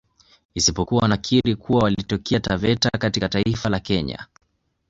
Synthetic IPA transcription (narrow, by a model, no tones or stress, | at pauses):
isipɔkuwanakʰiɾikuwawalitɔkɛatavɛtakatikataifalakɛɲa̰